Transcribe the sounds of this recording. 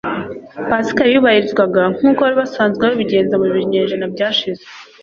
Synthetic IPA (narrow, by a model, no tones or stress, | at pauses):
pasi̥kajuβahiɾizɡwaɡaŋ̥uːkoβaɾiβasaːnzɡewoβiɟe̞ːnzamuβiɾɲe̞ːnʒenabɟaːʃize